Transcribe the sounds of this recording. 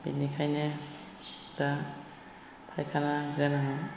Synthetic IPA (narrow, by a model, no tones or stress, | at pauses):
b̥ḭnikʰajne | d̥a | pʰajkʰanaɡɯnaŋa